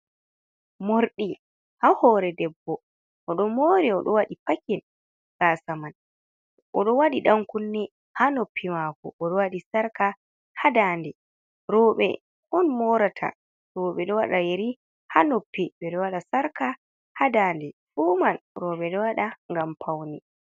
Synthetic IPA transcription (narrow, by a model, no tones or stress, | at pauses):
moɾɗi | hahɔɾɛdɛbːɔ | ʔɔɗɔmoɾiɔɗɔwaɗipakɛn | ɡasaman | ʔɔɗɔwaɗiɗaŋkunːɛ | hanopʰːimakɔ̰ʔːɗɔwaɗisaɾka | hadaːndɛ | ɾɔːɓɛ̰ | hɔnmɔɾatʰa̰ | ɾɔːɓɛɗɔwaɗajeɾi | hanopːiɓɛɗɔwaɗasaɾka | hadaːndɛfumanɾɔɓɛɗɔwaɗaŋɡampʰawnɛ